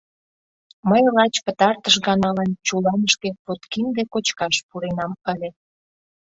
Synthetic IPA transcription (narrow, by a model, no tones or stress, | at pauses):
məjrɑt͡ɕpət̪ɑrt̪əʃ̬ɣɑnɑlɑnt͡ɕulɑnəʃkepot̪kind̪ekot͡ɕkɑʃpuɾenɑmpəlʲe